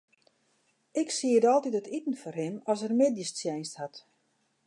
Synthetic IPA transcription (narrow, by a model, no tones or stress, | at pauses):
ɪksiəədɔlˠtitətitən̩fɔrɦɪnɔsərmediəst͡sjɛjnsthat